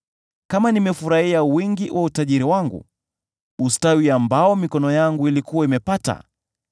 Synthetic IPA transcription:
kamanimɛfuɾahiawiŋɡiwʔautaʄiɾiwaŋɡṵ | ustawiambaɔmikɔnɔjaŋɡuilikuwaimɛpata̰

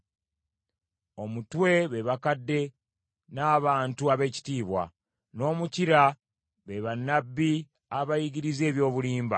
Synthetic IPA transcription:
o̞mutwe̞βe̞βakadːe̞ | naːβaːntuaβe̞ːci̥tiːβwa̰ | no̞ːmuciɾa | βe̞βanːabːi | aβajiɡiɾize̞ːβjo̞ːβuliːmba̰

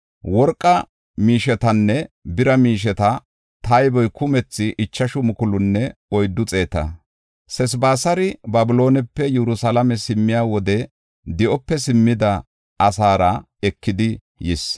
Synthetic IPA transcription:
wɔɾkʼːɐ | miːʃɛt̪ɐnːɛbɪɾɐmiːʃ̬ɛt̪ɐ | t̪ɐjbɔjkʊmɛt͡sːɪʔɪt͡ʃːɐʃʊmʊkʊlʊnːɛɔjd̪ːʊt͡sʼe̞ːt̪ɐ̰ | sɛs̬baːsɐɾɪbɐbɪlo̞ːnɛpːɛjɛɾʊsɐlɐmɛsɪmːɪjaːwɔd̪ɛ | d̪ɪʔɔpːɛsɪmːɪd̪ɐ | ɐsaːɾɐ | ɛkːɪd̪ɪ | jɪs

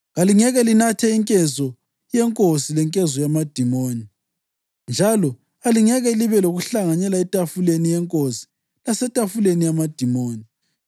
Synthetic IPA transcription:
ɣaliŋɛɣɛlinatʰɛiŋkʼɛzɔ | jɛŋkʼosilɛŋkʼɛzɔjamad̥ʱimoːni | nd͡ʒʱalɔ | aliŋɛɣɛliβɛloɣuɬaŋaɲɛlaɛtʼafulenijɛŋkʼosi̥ | lasɛtʼafulenijamad̥ʱimoːni

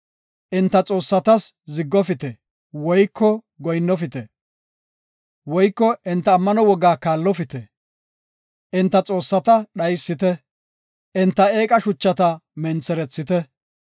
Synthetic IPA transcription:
ʔɪnt̪ːɐt͡sʼo̞ːsːɐt̪ɐszɪɡːɔfɪt̪ɛ | wɔjkʰːɔ | ɡɔjnːɔfɪt̪ɛ | wɔjkːɔʔɪnt̪ːɐːmːɐnɔwɔɡaːkaːlːɔfɪt̪ɛ | ʔɪnt̪ːɐt͡sʼo̞ːsːɐt̪ɐɗɐjsːɪt̪ɛ | ʔɪnt̪ːɐe̞ːkʼɐʃʊt͡ʃːɐt̪ɐmɛnt͡sɛɾɛt͡sːɪt̪ɛ

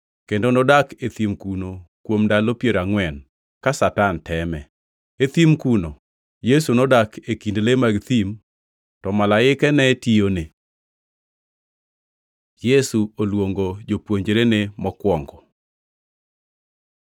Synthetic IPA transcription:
kendonodaket̪imkunokwomdalopjeɾaŋwɛn | kasatantʰɛmɛ | et̪imkuno | jesunodakʰekindlemaɡt̪im | tɔmalaɪkɛnɛtijone | jesuolwoŋɡod͡ʒopwoɲd͡ʒeɾenemɔkwɔŋɡɔ

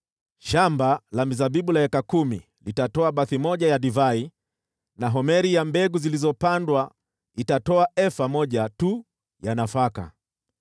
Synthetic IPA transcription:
ʃambalamizaɓiɓulahɛkakumi | litatɔaɓaθimɔʄajaɗivai | naɦɔmɛɾijambɛɡuzilizɔpandwa | itatɔaɛfamɔʄatu | janafaka̰

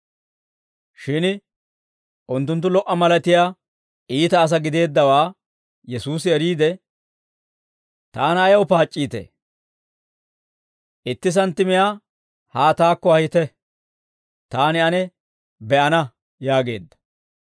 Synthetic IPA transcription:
ʃɪn | ʔʊnt̪ːʊnt̪̬ːʊlɔʔɐmɐlɐt̪ɪjaː | ʔiːt̪ɐːs̬ɐɡɪd̪e̞ːd̪ːɐwaː | jɛsuːsɪɛɾiːd̪ɛ | t̪aːnɐjɐwpaːt͡ʃʼːiːt̪ḛ | ʔɪt̪ːɪs̬ɐnt̪ːɪmɪjaː | haːt̪aːkːɔhɐjɪt̪ɛ | t̪aːnɪɐnɛ | bɛʔɐnɐ | jaːɡe̞̰ːd̪ːɐ̥

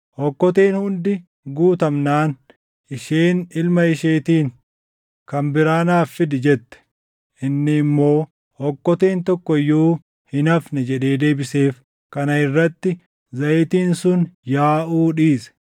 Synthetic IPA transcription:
hɔkːɔt̪eːnhʊnd̪ɪ | ɡuːt̪ɐmnaːn | ɪʃeːnɪlmɐɪʃeːt̪iːŋ | kɐmbɪɾaːnaːfːɪd̪ɪd͡ʒɛt̪ːɛ̥ | ʔɪnːɪmːo̞ː | hɔkːɔt̪eːnt̪ɔkːɔɪjːuː | hɪnɐfnɛd͡ʒɛᶑe̞ːd̪e̞ːbɪse̞ːf | kɐnɐɪrːɐt̪ːɪ | zɐjt̪iːnsʊnjaːʔuːᶑiːsɛ̥

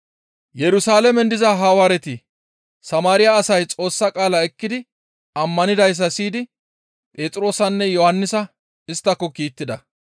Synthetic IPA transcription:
jɛɾʊsaːlɛmɛnd̪ɪzɐɦaːwaːɾɛt̪ɪ | sɐmaːɾɪjaːsɐjt͡sʼo̞ːsːɐkʼaːlɐɛkːɪd̪ɪ | ɐmːɐnɪd̪ɐjs̬ːɐsiːd̪ɪ | pʼe̞ːt̪ʼɾo̞ːsɐnːɛjɔhɐnːɪsɐ | ɪst̪ːɐkːɔkiːt̪ːɪd̪ɐ

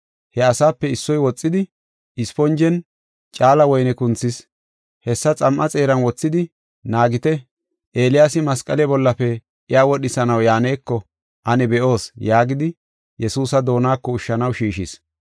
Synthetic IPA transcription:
hɛɐsaːpːɛɪsːɔjwɔt͡sʼːɪd̪ɪ | ɪspɔnd͡ʒɛn | t͡ʃʼaːlɐwɔjnɛkʊnt͡sːɪs | hɛsːɐt͡sʼɐmʔɐt͡sʼe̞ːɾɐnwɔt͡sːɪd̪ɪ | naːɡɪt̪ɛ | ʔeːlɪjaːsɪmɐskʼɐlɛbɔlːɐfɛ | ʔɪjaːwɔɗɪsɐnɐwjaːneːkːɔ | ʔɐnɛbɛʔo̞ːsjaːɡɪd̪ɪ | jɛsuːsɐd̪o̞ːnaːkːɔʊʃːɐnɐwʃiːʃɪs

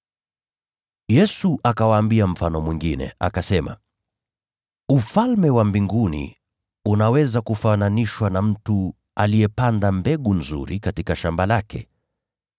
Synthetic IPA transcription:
jɛsuʔakawaːmbiam̩fanɔmwiŋɡinɛ̰a̰kasɛma̰ | ufalmɛwambiŋɡunḭ | unawɛzakufananiʃwanam̩tu | alijɛpandambɛɠunzṵɾikatikaʃambalakɛ

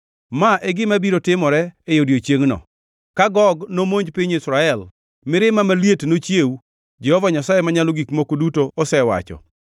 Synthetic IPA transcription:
maʔɛɡɪmabiɾotɪmɔɾɛːjodjot͡ʃjeŋnɔ̰ | kaɡɔɡnomoɲd͡ʒpɪɲisɾaɛl | mɪɾɪmamaljetnot͡ʃjeu | d͡ʒɛhɔvaɲasajemaɲaloɡikmokodutoɔsɛwa̰t͡ʃɔ̰

